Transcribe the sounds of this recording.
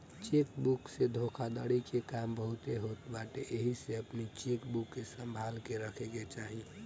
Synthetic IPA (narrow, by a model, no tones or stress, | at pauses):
t͡ʃekbuksed̪ʱokʰad̪əɽikekambəɦut̪eɦot̪baʈeʔeɦiseəpnit͡ʃekbukːesə̃mbʱalkeɾəkʰeket͡ʃaɦi